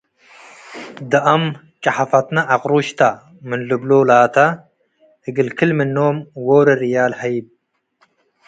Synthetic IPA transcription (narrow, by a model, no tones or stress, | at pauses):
d̪ɐʔɐm | t͡ʃʼɐħafɐt̪nɐʔːqʼɾuʃt̪ʰa | mɨnlɨblolaːt̪ʰɐ | hɨɡɨlkʰɨlmɨnːoːmwoːɾɐɾijaːlħajb̚